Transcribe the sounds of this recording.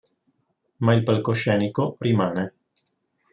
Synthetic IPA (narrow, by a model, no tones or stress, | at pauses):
mailpalkoʃɛːnikorimaːne